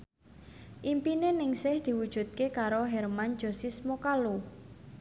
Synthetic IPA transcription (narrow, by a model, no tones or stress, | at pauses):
ʔimpinenɪŋsɪhd̪̥i̤wud̥ʒ̥ṳt̪̚kekaɾoɦɛrman̥d͡ʒ̥ɔ̤sismokalu